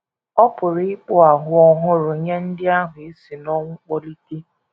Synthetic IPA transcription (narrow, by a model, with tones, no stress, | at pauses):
ɔ˦pʊ˨ɾɪ˦k͡pʊ˦a˨ɦʊ˨ɔ˦ɦʊ˦ɾʊ˨ɲe˦n̩˦dɪ˦a˦ɦʊ˨e˦si˨nɔ˦ŋʷʊ˦k͡pɔ˦li˦ke˦